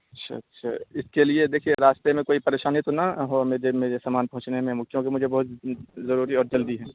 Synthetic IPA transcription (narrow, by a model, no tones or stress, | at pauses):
ɐtːʃʰa̰tːʃʰa̰ɪskelied̪eːkʰieɾaːst̪emẽkoːipɐɾeːʃaːnɛt̪onɐɦɔːmeːɾemeːɾesamaːnpɐɦʊ̃t͡ʃnemẽmʊkʰjõkemʊd͡ʒʱebɐɦʊt̪zɐɾuːɾiɔːɾd͡ʒɐld̪iɦɛː